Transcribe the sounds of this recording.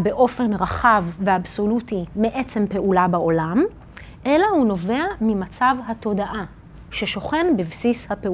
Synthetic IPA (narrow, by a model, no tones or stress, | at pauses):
be̞ʔo̞fe̞nʁaχavːeabso̞lutimeʔe̞t͡se̞mpe̞ʔulabao̞lam | ʔe̞lahuno̞ve̞amimat͡savɦato̞daʔa | ʃe̞ʃo̞χe̞nbivsishape